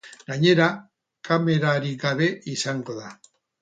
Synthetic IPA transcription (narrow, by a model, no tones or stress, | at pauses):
ɡaɲe̞ɾa | kʰame̞ɾaɾiɡaβe̞ʔisaŋɡo̞ða